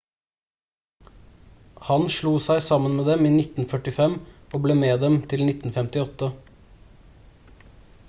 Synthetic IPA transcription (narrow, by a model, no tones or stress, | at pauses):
hɑnʃɭuːsæɪsɑmənmeːd̪ɛmiːnɪt̪n̩fœʈɪfɛmoːbleːmeːd̪ɛmt̪ʰɪlnɪt̪n̩fɛmt̪ɪɔt̪ə